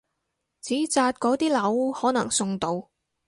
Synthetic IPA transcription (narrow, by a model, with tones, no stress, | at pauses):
t͡siː˨˥t͡saː˧t̪̚kɔː˨˥t̪iː˥lɐ˨˥whɔː˨˥nɐ̰˨˩ŋsʊ˧ŋt̪o˧w